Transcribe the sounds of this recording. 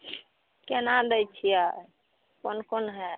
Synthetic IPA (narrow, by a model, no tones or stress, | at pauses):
kenad̪ɛjt͡ʃʰia | pənkonɦɛ